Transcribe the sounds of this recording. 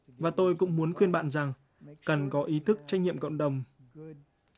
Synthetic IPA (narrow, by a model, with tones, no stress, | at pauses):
vaː˨˩t̪o˧jkʊ̰˧˥ŋ͡mmu˨˦ənxwi˧ənɓa̰ː˧˨nza˨˩ŋ | kə˨˩nkɔ˨˦ʔi˨˦t̪ʰɨ˦˥k̚t͡ɕa˦˥jŋ̟ŋḭ˧˨əmkə̰˧˨wŋ͡mɗə˨˩wŋ͡m